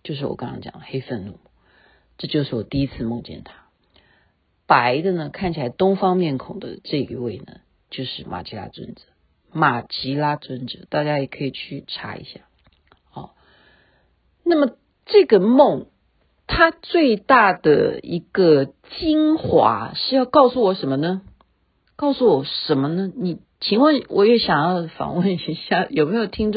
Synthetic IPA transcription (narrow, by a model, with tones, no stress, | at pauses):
t͡ɕjo˥˧ʊʂ̬ɻ̩˥˩wɔ̰˨˩kɑ˥ŋkʰɑ̰˥ŋt͡ɕjɑ̰˨˩˦xe˥ɪfə˥˧nnu˥˩m˩ | ʈ͡ʂɤ˥˧t͡ɕjo˥˧ʊʂɻ̩˥˩wɔ˨˩t̪i˥˩i˥t͡sʰɹ̩˥˧mʊ˥˧ŋt͡ɕjɛ̰˥˩nt̪ʰa˥ | pa˧˥ɪd̪ə˧nə˧kʰa˥˩nt͡ɕʰi˨la˧˥ɪt̪ʊ˥ŋfɑ˥ŋmjɛ˥˩nkʰʊ˨˩ŋd̪ə̰˦ʈ͡ʂɤ˥˧i˧˥we˥˩ɪnə̰˩ | t͡ɕjo˥˧ʊʂɻ̩˥˩mʔa̰˨˩t͡ɕi˧˥la̰˥t͡swə̰˥nd͡z̩˨˦ | ma˨˩t͡ɕi˧˥la˥t͡swə˥nʈ͡ʂɤ˨˩˦t̪a˥˩t͡ɕja˥jɛ˨˩kʰɤ˧˥i˨˩t͡ɕʰy˥˩ʈ͡ʂʰa̰˧˥ḭ˧˥ɕja̰˥˩ | ɔ˥˩ | na˥˩mə˩ | ʈ͡ʂɤ˥˩ɡə˩mo˥˩ŋ | t̪ʰa˥t͡swe˥˧ɪt̪a˥˩d̪ə̰˩i˧˥ɡ̥ə˧ | t͡ɕi˥ŋxwa̰˧˥ʂɻ̩˥˧jɑ˥˧ʊkɑ˥˩ʊsu˥˩wɔ˧˥ʂə˧˥nmə˧nə˧ | kɑ˥˩ʊsu˥˩wɔ˨˩˦ʂə˧˥nmə˧nə˧ni˨˩ | t͡ɕʰi˧˥ŋwə˥˩nwʔɔ̰˨˩ɥɛ˥˩ɕjɑ˨˩ŋjɑ˥˩ʊfɑ̰˨˩˦ŋwə˥˩ni˧˥ɕja˥˩jo˨˩me˧˥jo˨˩ʊt̪ʰi˥ŋʈ͡ʂ